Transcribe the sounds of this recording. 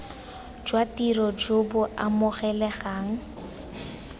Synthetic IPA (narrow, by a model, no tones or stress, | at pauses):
d͡ʒwatirɔd͡ʒʊbʊʔamʊχɛlɛɣaːŋ̩